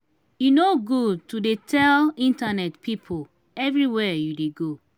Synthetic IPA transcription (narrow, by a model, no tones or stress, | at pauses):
junoɡutudetʰɛlĩntanɛtpʰipʰol | ɛvɹiwɛjudeɡo